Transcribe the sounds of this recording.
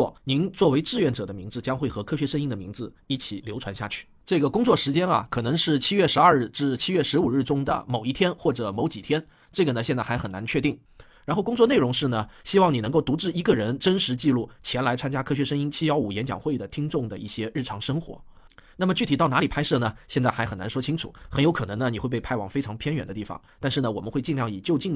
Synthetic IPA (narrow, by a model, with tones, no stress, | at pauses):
ni˧˥nt͡swɔ˥˩we˧˥ɪʈ͡ʂɻ̩˥˧ɥɛ˥˩nʈ͡ʂɤ˨˩d̪ə˦mi˧˥ŋd͡zɹ̩˧t͡ɕjɑ˥ŋxwe˥˩ɪxɤ˧˥kʰɤ˥ɕɥɛ˧˥ʂə˥ŋi˥ŋd̪ə˨mi˧˥ŋd͡zɹ̩˧i˥˩t͡ɕʰi˨˩ljo˧˥ʊʈ͡ʂʰwa˧˥nɕja̰˥˩t͡ɕʰy̥˥˩ʈ͡ʂɤ˥˩ɡə˩kʊ˥ŋt͡swɔ˥˩ʂɻ̩˧˥t͡ɕjɛ˥nɐ̰˨kʰɤ˨˩nɤ˧˥ŋʂɻ̩˥˩t͡ɕʰi˥ɥɛ˥˩ʂɻ̩˧˥ɐ˞˥˧ɻ̩˥˩ʈ͡ʂɻ̩˥˩t͡ɕʰi˥ɥɛ˥˩ʂɻ̩˧˥u˨˩ɻ̩˥˩ʈ͡ʂʊ˥ŋd̪ə̰˨˩mo˨˩ʊi˥˩t̪ʰjɛ˥nxwɔ˥˩ʈ͡ʂɤ˨˩mo˧˥ʊt͡ɕi˨˩t̪ʰjɛ˥n | ʈ͡ʂɤ˥˩ɡə˩nə˩ɕjɛ˥˧nt͡sa˥˩a˧˥xə˨˩na˧˥nt͡ɕʰɥɛ˥˧t̪i˥˩ŋ | ɻa˧˥nxo˥˧ʊkʊ˥ŋt͡swɔ˥˧ne˥˩ɪɻʊ˧˥ŋʂɻ̩˥˩nə˩ɕi˥wɑ˥˩ŋni˨˩nɤ˧˥ŋko˥˩ʊt̪u˧˥ʈ͡ʂɻ̩˥˩i˧˥ɡə˧ɻə˧˥nʈ͡ʂə˥nʂɻ̩˧˥t͡ɕi˥˧lu˥˩t͡ɕʰjɛ˧˥nla˧˥ɪt͡sʰa˥nt͡ɕja˥kʰɤ˥ɕɥɛ˧˥ʂə˥ŋi˥nt͡ɕʰi˥jɑ˥ʊu˨˩jɛ˧˥nt͡ɕjɑ̰˨˩ŋxwe˥˩ɪd̪ə˩t̪ʰi˥ŋʈ͡ʂʊ˥˩ŋd̪ə̰˩ʔḭ˥˩ɕjɛ˥ɻ̩˥˩ʈ͡ʂʰɑ˧˥ŋʂɤ˥ŋxwɔ̰˧˥ | na˥˩mə˩t͡ɕy˥˩t̪ʰi˨˩ɑ˥˩na˧˥li˨˩pʰa˥ɪʂɤ˥˩nə˩ɕjɛ˥˧nt͡sa˥˩ɪxa˧˥ɪxə˨˩na̰˧˥nʂwɔ˥t͡ɕʰi˥ŋʈ͡ʂʰṵ˨˩˦xə˧˥njo˧˥ʊkʰɤ˨˩nɤ˧˥ŋnə˧ni˨˩xwe˥˧ɪpe˧ɪpʰa˥ɪwɑ˨˩ŋfe˥ɪʈ͡ʂʰɑ˧˥ŋpʰjɛ˥nɥɛ̰˨˩nd̪ə˦t̪i˥˩fɑ̰˩˦ŋt̪nʂɻ̩˥˩nə˩wɔ˨˩mə˦nxwe˥˧ɪt͡ɕi˥˧ŋljɑ˥˩ŋi˨˩t͡ɕjo˥˧ʊt͡ɕi˥˩ŋ